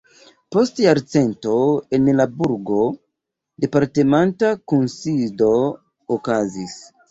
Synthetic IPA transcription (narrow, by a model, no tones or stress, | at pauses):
po̞stjaɾt͡se̞nto̞e̞nlabuɾɡo̞ | de̞paɾte̞mantakunsido̞ː | kazis